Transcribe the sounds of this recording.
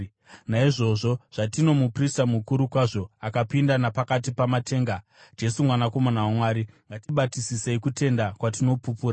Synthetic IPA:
naiʐo̞ʐo̞ʐ̥atino̞mupristamukuɾukwaʐo̞akapindanapakat̬ipamate̞ːŋɡa | d͡ʒe̞sumwanako̞manawamwaːɾiŋɡatiɓatisiseikute̞ndakwatino̞pupuːɾa

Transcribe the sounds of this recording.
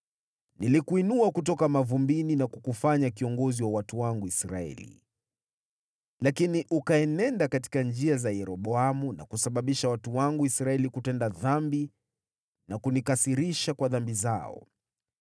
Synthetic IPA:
nilikuinuakutɔkamavumbininakukufaɲakiɔŋɡɔziwawatuwaŋɡuisɾa̰ɛ̰lḭ | lakiniʔukaɛnɛndakati̥kand͡ʒiazajɛɾɔɓɔamuna̰kusaɓaɓiʃawatuwaŋɡuisɾaɛlikutɛndaðambi | nakunikasiɾiʃakwaðambizaɔ̰

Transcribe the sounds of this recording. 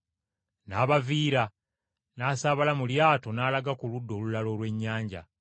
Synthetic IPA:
naːβaviːɾa | naːsaːβalamuljaːto̞naːlaɡakuludːo̞ːlulalo̞ːlwe̞ɲːaːɲɟa̰

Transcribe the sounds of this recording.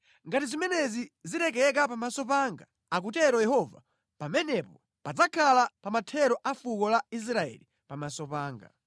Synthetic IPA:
ŋɡatizimɛnɛziziɾɛk̬ɛɛk̬apamasɔpaŋɡa | ak̬utɛɾɔjɛhɔva̰ | pamɛnɛpɔ | pad͡zakʰalapamatʰɛɾɔʔafukɔlais̬ɾaɛ̰li | pamasɔpaːŋɡa̰

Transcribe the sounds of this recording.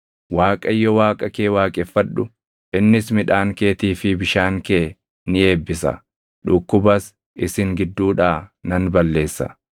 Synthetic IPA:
waːkʼɐjːɔwaːkʼɐkeːwaːkʼɛfːɐᶑʊ | ʔɪnːɪsmɪᶑaːŋke̞ːt̪iːfɪbɪʃaːŋkeː | nɪe̞ːbːɪsɐ̰ | ᶑʊkːʊbɐs | ʔɪsɪŋɡɪd̪ːuːᶑaːnɐnbɐlːe̞ːsːɐ̰

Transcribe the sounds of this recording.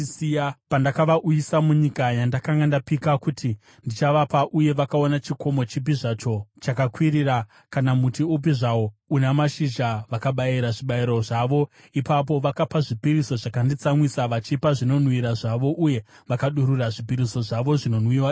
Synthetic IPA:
ijapandakaʋaʔujisamuɲikajandakaŋɡandapikakuti | ndit͡ʃaʋapaʔuje̞ʋakao̞nat͡ʃiko̞mo̞t͡ʃip̬iʐat͡ʃo̞t͡ʃakakwiɾira | kanamutiup̬iʐaounamaʃiʒaʋakaɓaiɾaʐiɓaiɾo̞ʐaʋo̞ | ipap̬o̞ʋakapaʐipiɾiso̞ʐakandit͡samwisaʋat͡ʃipaʐino̞n̤wiɾaʐaʋo̞ʔuje̞ | ʋakaɗuɾuraʐipiɾiso̞ʐaʋo̞ʐino̞nwiwa

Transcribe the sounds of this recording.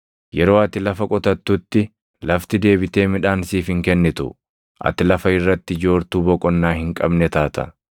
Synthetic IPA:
jɛɾo̞ːɐt̪ɪlɐfɐkʼɔt̪ɐt̪ːʊt̪ːɪ | lɐft̪ɪd̪e̞ːbɪt̪e̞ːmɪᶑaːnsiːfhɪŋkɛnːɪt̪ʊ̰ | ʔɐ̰t̪ɪlɐfɐɪrːɐt̪ːɪd͡ʒo̞ːɾt̪uːbɔkʼɔnːaːhɪŋkʼɐbnɛt̪aːt̪ɐ̰

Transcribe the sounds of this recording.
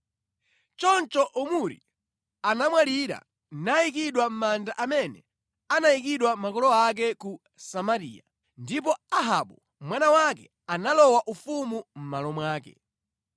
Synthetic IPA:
t͡ʃɔnt͡ʃɔʔumuɾḭ | anamwaliɾa̰ | naik̬iɗwam̩mandaʔamɛnɛ̰ | anajik̬iɗwamakɔlɔak̬ɛku | samaɾḭːja | ndip̬ɔaɦaɓɔ | mwanawakɛ̰ | analɔwaʔufumum̩malɔmwaːkɛ̰

